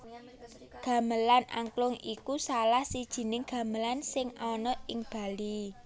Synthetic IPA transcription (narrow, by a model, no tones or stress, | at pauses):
ɡ̥ä̤məlanʔa̰ŋklʊŋikusalahsid̥ʒ̥i̤nɪŋɡ̥ä̤məlansɪŋɔnɔɪŋb̥a̤li